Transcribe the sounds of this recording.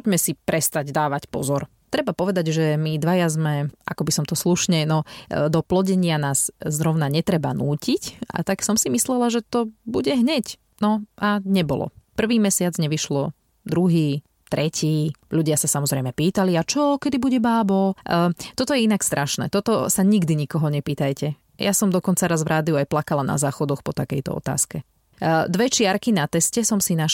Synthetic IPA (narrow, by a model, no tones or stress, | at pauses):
pɔɟmɛsipɾɛst̪aɟd̪aːʋacpɔ̰zɔɾ | t̪ɾɛbapɔʋɛd̪aɟʒɛmid̪ʋajazmɛʔa̰kɔbisɔmt̪ɔsluʃɲɛnɔd̪ɔplɔɟɛɲɪanaːzzɾɔʊnaɲɛt̪ɾɛbanuːcica̰t̪aksɔmsimislɛlaʒɛt̪ɔbuɟɛɦɲɛc | nɔaɲɛbɔ̰lɔ̰pr̩ʋiːmɛsɪad͡zɲɛʋiʃlɔ | d̪ɾuɦiː | t̪ɾʔɛcʰiːʎuɟɪasasamɔzɾɛjmɛpiːt̪aliat͡ʃɔkɛd̪ibuɟɛbaːbɔt̪ɔt̪ɔjɛinakst̪ɾʔaʃnɛ̰ːt̪ɔt̪ɔsaɲiɡd̪iɲikɔɦɔɲɛpiːt̪ajcɛ | jasɔmd̪ɔkɔnt͡saɾazvɾʔaːd̪iuajplakalana̰zaːxɔd̪ɔxpɔt̪akɛjt̪ɔ̰ɔ̰t̪a̰ːskɛ | d̪ʋɛt͡ʃɪaɾkinat̪ɛscɛsɔmsina